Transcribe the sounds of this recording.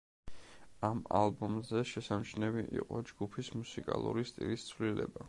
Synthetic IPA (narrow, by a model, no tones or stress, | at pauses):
ama̰lˠbɔmzɛʃɛsamt͡ʃʰnɛviʔḭqʼɔd͡ʒɡupʰismusikʼa̰lˠṵɾist̪ʼḭlist̪sʰvlilɛ̰ba